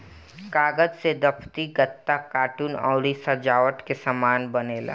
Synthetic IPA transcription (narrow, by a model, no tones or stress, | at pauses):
kaːɡəd͡ʒsed̪ɐpʰt̪iɡət̪ːakaːʈuːnɔ̰ːlisad͡ʒaːʋəʈkesɐmaːnbɐneːla̰ː